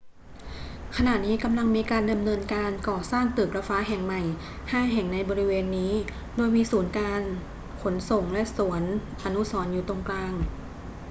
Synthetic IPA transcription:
kʰa˧na˨˩t̪̚niː˦˥ka˧mla˧ŋmiː˧kaː˧nda˧mnɤː˧nkaː˧nkɔː˨˩saː˥˩ŋt̪ɯː˨˩k̚la˧faː˦˥ɦɛ˨˩ŋma˨˩j | haː˥˩jɦɛ˨˩ŋna˧jbɔː˧ɾi˦˥weː˧nːiː˦˥ | doː˧jmiː˧suː˩˦nkaː˧n | kʰo˩˦nso˨˩ŋlɛ˦˥ʔsu˨˩˦ən | ʔa˧nu˦˥sɔː˩˦njuː˨˩t̪o˧ŋklaː˧ŋ

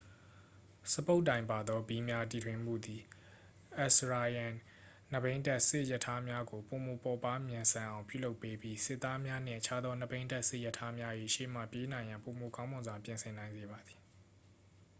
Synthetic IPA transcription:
sə˨po˦ʊʔt̬ːã˨ɪ̃mpa˨d̪ɔ˦bi˦mja˦t̬i˨tʰwɪ̃˦mṵ˦˨d̪i˨ | ʔɛ˦˨sɹa˨jã˨ | nə˨bẽ˦ɪ̃ntɛ˦ʔsɪ˦ʔjə˨tʰa˦mja˦ɡo˨po˨mo˨pɔ˨pa˦mjɪ̃˨nsʰã˨ʔã˨ʊ̃pjṵ˦˨lo˦ʊpːe˦bji˦sɪ˦ʔt̪ːa˦mja˦n̥ɪ̰̃˦˨ʔət͡ɕʰa˦d̪ðɔ˦nə˦˨bẽ˦ɪ̃ntɛ˦ʔsɪ˦ʔjə˦˨tʰa˦mja˦ʔḛ˦˨ʃḛ˦˨m̥ä̰˦˨pje˦nã˨ɪ̃jã˨mpo˨mo˨kã˦mʊ̃˨nzwa˨pjɪ̃˨nsʰɪ̃˨nã˨ɪ̃nze˨ba˨d̪ði˨

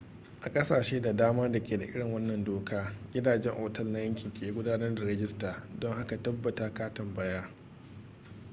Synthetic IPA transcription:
ʔa˨kʼɐ˦saː˨ʃeː˦da˨daː˦maː˦da˨kʲeː˨da˨ʔɪ̰˦ɽɪ˨ŋwɐ˦nːɐ˨ndoː˨˦kʰaː˦ɡʲɪ˦daː˨d͡ʒɛ˦ŋʔoː˨tɐ˦lna˦jɐ˦ŋkʲɪ˨ŋkʲeː˨i˦ɡʷʊ˦daː˦nɐ˦rda˨ɾɛ˦d͡ʒʲɪ˦staː˨dɔ˦ŋha˦ka˨tɐ˦bːɐ˨taː˦kaː˦tɐ˨mbɐ˦jaː˦

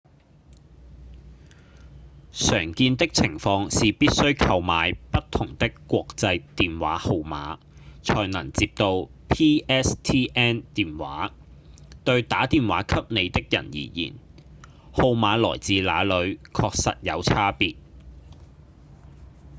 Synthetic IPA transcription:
sœː˨˩ŋkiː˧nt̪ɪ˥k̚t͡sʰɪ˨˩ŋfɔː˧ŋsiː˨piː˥t̚sɵ˥ɥkʰɐ˧wmaː˨jpɐ˥t̪ʰːʊ˨˩ŋt̪ɪ˥kːʷɔː˧k̚t͡sɐ˧jt̪iː˨nwa̰ː˨˥ho˧wma̰ː˨˥ | t͡ʃʰɔː˨˩jnɐ˨˩ŋt͡siː˧p̚t̪o˧wpʰiː˥ʔɛː˥st̪ʰiː˥ʔɛː˥nt̪iː˨nwaː˨˥ | t̪ɵ˧ɥt̪aː˨˥t̪iː˨nwa̰ː˨˥kʰɐ˥p̚ne˨˧jt̪ɪ˥k̚jɐ̰˨˩njḭː˨˩jḭː˨˩n | ho˧wmaː˨˧lɔ̰ː˨˩jt͡siː˨˧la̰ː˨˧lɵ˨˧ɥkʰɔː˧k̚sɐ̰˨t̚jɐ˨˧wt͡sʰaː˥piː˧t̚

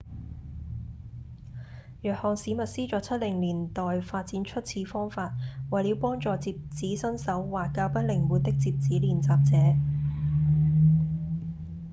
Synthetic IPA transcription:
jœː˨k̚hɔː˨˩ŋsiː˨˥mɐ˨t̚siː˥t͡sɔː˨˧˥t͡sʰɐ˥t̚lɪ˨˩ŋliː˨˩nt̪ɔː˨˩jfaː˧t̚t͡siː˨˥nt͡ʃʰɵ˥t̚t͡sʰiː˧fɔː˥ŋfaː˧t̚wɐ˨jli˨˥wpɔː˥ŋt͡sɔː˨˧t͡siː˧p̚t͡siː˨˥sɐ˥nsɐ˨˥wwaː˨˩t̚kaː˧˥wpɐ˥t̚lɪ˨˩ŋwuː˨t̚t̪ɪ˥k̚t͡siː˧p̚t͡siː˨˥liː˨˩nt͡saː˧p̚t͡sɛː˨˥

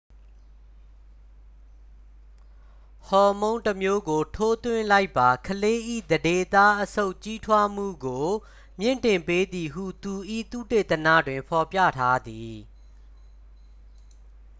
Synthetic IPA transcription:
hɔ˨mõ˦ʊ̃ntəmjo˦ɡo˨tʰo˦t̪wɪ̰̃˦˨la˦ɪpːa˨kʰəle˦ʔḭ˦˨d̪əde˦t̪a˦ʔəsʰo˦ʊʔt͡ɕi˦tʰwa˦m̥ṵ˦˨ɡo˨ | mjɪ̰̃˦˨ntɪ̃˨mpe˦d̪i˨ɦṵ˦˨t̪u˨ʔḭ˦˨t̪ṵ˦˨te˦˨t̪ənä̰˦˨dwɪ̃˨mpʰɔ˨pja̰˦˨tʰa˦d̪i˨

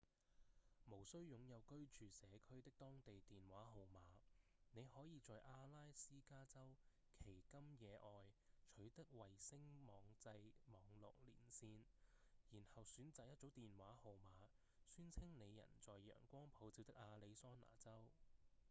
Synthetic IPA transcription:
mo˨˩wsɵ˥ɥjʊ˨˧ŋjɐ˨˧wkɵ˥ɥt͡ʃyː˨sɛː˨˧kʰɵ˥ɥt̪ɪ˥k̚t̪ɔː˥ŋt̪e˨jt̪iː˨nwaː˨˥ɦo˨wmaː˨˧ | ne˨˧jhɔː˨˥jiː˨˧t͡sɔː˨jʔaː˧laː˥jsiː˥kaː˥t͡sɐ˥w | kʰe˨˩jkɐ˥mjɛː˨˧ʔɔː˨jt͡ʃʰɵ˨˥ɥt̪ɐ˥k̚wɐ˨jsɪ˥ŋmɔː˨˧ŋt͡sɐ˧jmɔː˨˧ŋlʊ̰˨k̚lḭː˨˩nsiː˧njiː˨˩nhɐ˨wsyː˨˥nt͡saː˨k̚jɐ˥t̚t͡so˨˥wt̪iː˨nwaː˨˥ho˨wmaː˨˧ | syː˥nt͡sʰɪ˥ŋne˨˧jjːɐ̰˨˩nt͡sɔː˨jjœ̰ː˨˩ŋkʷɔː˥ŋpʰo˨˥wt͡siː˧wt̪ɪ˥k̚ʔaː˧le˨˧jsɔː˥na̰ː˨˩t͡sɐ˥w

